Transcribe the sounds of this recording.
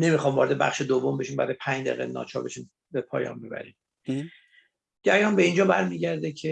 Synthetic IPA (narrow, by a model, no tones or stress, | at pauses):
ne̞mixɒːmvɒɾe̞d̪ebæ̰χʃed̪ovːombe̞ʃiːmbæ̰ːɾɒjepʰæɲd͡ʒd̪æ̰ɣḛnɒ̰ːt͡ʃʰɒːbe̞ʃiːm | bepʰɒ̰ːjɒ̰ːnbebæ̰ɾḭm | d͡ʒæjɒːnbe̞ind͡ʒɒːbæɾmiːɟæɾd̪ecʰe